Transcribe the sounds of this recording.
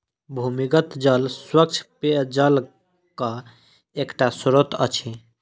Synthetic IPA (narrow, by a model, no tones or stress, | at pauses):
bʱumiɡət̪d͡ʒəlswək̚t͡ʃʰped͡ʒəl | ka | ekʈasɾot̪ə̰t͡ʃʰi